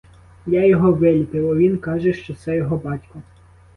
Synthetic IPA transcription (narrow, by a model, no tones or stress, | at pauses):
jajɔɦɔʋɪlʲipɪwɐʋʲinkɑʒɛʃt͡ʃɔsɛjɔɦɔbɑtʲkɔ